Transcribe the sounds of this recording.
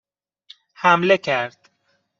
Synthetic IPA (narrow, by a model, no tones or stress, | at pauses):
hæmlekʰæɾd̪̥